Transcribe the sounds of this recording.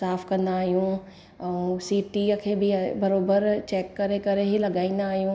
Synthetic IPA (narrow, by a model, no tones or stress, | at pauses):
saːfkɐ̃nd̪aːɦijũ | ɛũsiːʈikʰeːbɪbɐɾoːbəɾt͡ɕɛːkːɐɾekɐɾeɦilɐɡaːĩːnd̪aːɦijũ